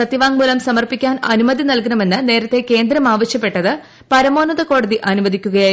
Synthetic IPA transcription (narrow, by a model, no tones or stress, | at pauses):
sɐt̪ːiʋaːŋmuːlɐmsɐmɐrpikʲːaːnɐnumɐðinɐlkɐnɐme̞nːɨne̞ːɾɐt̪ːe̞ke̞ːnd̪ɾɐmaːʋɐɕjɐpːe̞ʈːɐðɨ | pɐɾɐmo̞ːnɐðɐko̞ːɽɐðiʔɐnumɐðikʲːuɣɐjaː